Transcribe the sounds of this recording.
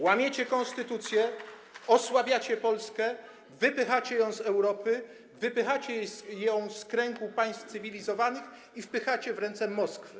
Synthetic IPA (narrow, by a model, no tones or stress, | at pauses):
wamʲjet͡ɕɛkɔnst̪ɘt̪ut̪sʲjɛ | ɔswabʲjat͡ɕɛpɔlskɛ | vɘpɘxat͡ɕɛjɔ̃w̃zɛwɾɔpɘ | vɘpɘxat͡ɕɛsjɔ̃w̃skɾɛŋɡupaj̃st̪t̪sɘvʲilʲizɔvanɘx | ifpɘxat͡ɕɛvɾɛnt̪sɛmɔskfɘ